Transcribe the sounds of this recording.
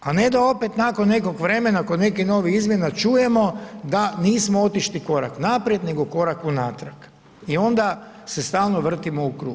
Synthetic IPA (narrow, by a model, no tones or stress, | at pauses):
ane̞d̪ao̞pet̪nakonːe̞ko̞ɡʋɾe̞me̞nako̞ne̞kino̞ːʋiizmje̞nat͡ʃuje̞mo̞d̪aniːsmoot̪iʃliko̞ɾa̰knapɾje̞d̪ne̞ɡo̞ko̞ɾakunaːt̪ɾak | io̞nd̪a | se̞st̪aːlˠno̞ʋr̩t̪imo̞ukɾṵːɡ